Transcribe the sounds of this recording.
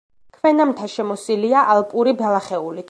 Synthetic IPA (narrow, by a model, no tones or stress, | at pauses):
kʰvɛnamt̪ʰaʃɛmɔsiliaʔalˠpʼuɾibɛlˠaχɛuli